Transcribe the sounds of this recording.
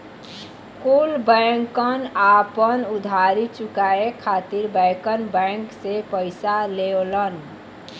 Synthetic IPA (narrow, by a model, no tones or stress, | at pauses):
kulbəŋkənapənʊd̪ʱaɾit͡ʃʊkaekʰat̪iɾbɛ̃kənbɛ̃ŋksepəɪsaleolən